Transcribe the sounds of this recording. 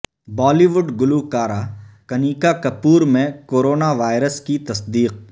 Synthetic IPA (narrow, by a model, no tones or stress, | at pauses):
bɔːliʋʊɖɡʊlukaːɾakɐniːkakɐpuːɾmẽkoːɾoːnaʋaːɪɾəskit̪ɐsd̪iːq̚